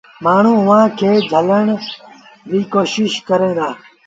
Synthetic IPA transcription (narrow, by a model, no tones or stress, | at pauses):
maːɳ̤ũːʊʋãːkʰeːd͡ʒʱələɳ | biːkoːʃɪʃkəɾẽːd̪aː